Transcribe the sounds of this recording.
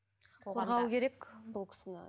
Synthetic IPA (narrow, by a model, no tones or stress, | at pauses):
q̪ʰo̞lˠʁɑwəkʲʰe̞ɾe̞kbʊlˠkʲʰɪ̥sɪnɪ